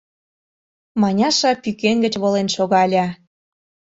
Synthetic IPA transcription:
mɑnʲɑʃɑpykeŋɡə̆t͡ɕβolenʃoɣɑlʲɑ

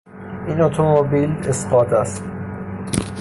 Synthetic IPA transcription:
inot̪ʰomobiːlesqɒːt̪ʰæst̪

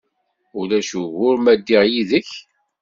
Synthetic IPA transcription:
ʊlæʃuɣʊɾmæd̪ːiʁjiðəç

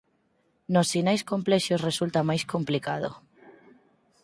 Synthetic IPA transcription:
nosːinajskomplɛʃosresult̪amajskomplikaðo̰

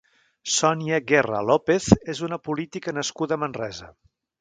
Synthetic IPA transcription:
sɔniəɣɛrə̰lɔpeθezunəpulit̪ikənəskuðəmənrɛzə̰

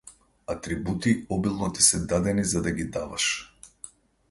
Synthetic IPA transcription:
at̪ɾibut̪iɔbilˠnɔt̪i̥sɛd̪ad̪ɛnizad̪aɡid̪ava̰ʃ

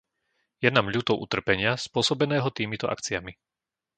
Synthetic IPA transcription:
jɛnaːmʎuːt̪ɔʊʔṵt̪r̩pɛɲɪaspʊɔsɔbɛnɛːɦɔt̪iːmit̪ɔʔa̰kt͡siami

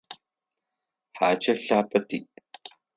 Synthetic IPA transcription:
ħaːt͡ʃʰɐɬaːpʰɐtʰiːʔ

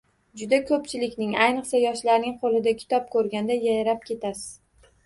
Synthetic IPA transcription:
d͡ʒʊd̪akʰɵpt͡ʃʰɪlɪkʲnɪŋajnɨqsajɒʃlaɾnɪŋqʰolˠɪd̪akʲʰɪ̥t̪ɒp̚kʰɵɾɡʲand̪ajajɾap̚kʲʰe̞t̪ʰasɪ̥z̥

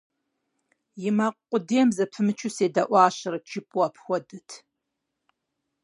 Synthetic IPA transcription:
jɪmaqʷqʷʼʊdemzɐpʰɨmɨt͡ʃʰuseːdaʔʷɑːɕɐɾɐt͡ʃʰʼɪpʼuɐpʰxʷɔdɨtʰ

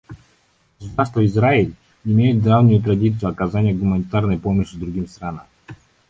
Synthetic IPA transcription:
ɡ̥əsʊd̪arst̪vəɪzraɪlʲ | ɪmʲejʊt̪̚d̪ravnʊjʊt̪ɾɐdʲit̪sɨjʊɐkazanʲɪjəɡʊmənʲɪt̪arnəjpoməɕɪd̪ɾʊɡʲimst̪ɾanəm

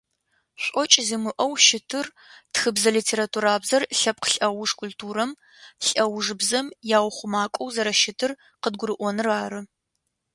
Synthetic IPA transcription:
ɕʷʼɔt͡ʃʼzimɨʔɐwʃɪtʰɨr | txɨbzɐliːtʰeːɾatʰuːɾaːbzɐrɬɐp̚qɬʼɐwʊʂkʷʰʊltʰuːɾɐm | ɬʼɐwʐɨbzɐmjaːwχʷʊmaːkʷʼɔwzɐɾɐʃɪtʰɨr | qəd̚ɡʷʊɾɨʔʷɔnɨraːɾɨ

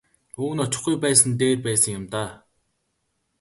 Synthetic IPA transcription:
uːɣ̆nɔt͡ɕɪ̆χɡujpæːsə̆nt̪eːrpæːsə̆ŋjʊmt̪aː

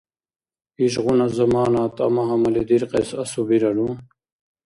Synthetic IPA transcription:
iɕʁunɐzɐmaːnat̪ɐ̰mɐɦɐmɐlid̪iɾqesɐsubiɾɐɽu

